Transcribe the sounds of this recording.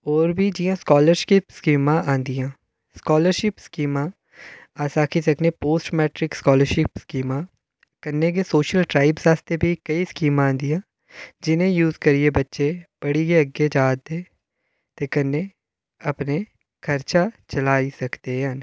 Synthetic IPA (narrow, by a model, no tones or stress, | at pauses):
ɔːɾbʱid͡ʒijãskɔːləɾʃipskiːmãʔãːnd̪ijãː | skɔːləɾʃɪpskiːmãː | aːsaːkʰisɐknepoːsʈmɛːʈɾɪkskɔːləɾʃɪpskiːmã | kənːek̬esoːʃəlʈɾaːɪbsaːst̪ebʱikɐiskiːmããːnd̪ijãː | d͡ʒɪnẽjuːzkəɾiebətːʃepəɽiɡeəɡed͡ʒaːd̪d̪eː | t̪ekɐnːe | əpne | kʰəɾt͡ʃat͡ʃəlaːisɐkt̪eɦaːn